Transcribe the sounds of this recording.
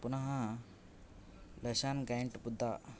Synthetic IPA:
punaɦã | ləɕanɡaeɳʈbud̪ʱːa

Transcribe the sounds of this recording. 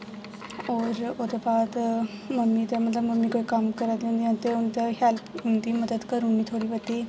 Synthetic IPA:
ɔːɾod̪əbaːd̪məmːit̪emət̪ləbməmːikoːikɐmkəɾat̪eũnd̪iãnt̪eunt̪eɦɛlpɦũnd̪iːməd̪əd̪kəɾũnd̪it̪ʰoːɽiːʋət̪iː

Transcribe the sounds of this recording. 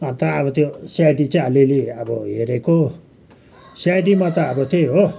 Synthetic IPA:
ʌnt̪ʌːβʌt̪josjaɖit͡saaleleʌbʌɦeɾeko | sajɖimat̪ʌːbʌt̪ʰeɦo

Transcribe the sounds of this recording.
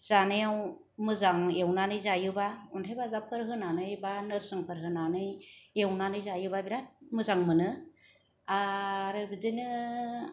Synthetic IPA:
z̥anejaw | mɯzaŋewnanɯjzajɯbauntʰajbazapʰɯɾɦɯnanɯjbanɯɾsɯŋpʰɯɾɦɯnanɯjewnanɯjzajɯbabiɾat̚mɯzaŋmɯnɯ | aɾɯbidɯnɯ

